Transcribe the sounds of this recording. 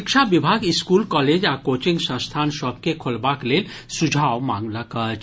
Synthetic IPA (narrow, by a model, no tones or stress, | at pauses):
ikʃabibʱaɡiskulkɔled͡ʒakot͡ʃiŋɡsə̃st̪ʰanʃɔb̚kekʰolbaklel | sud͡ʒʱawmãŋlakət͡ʃ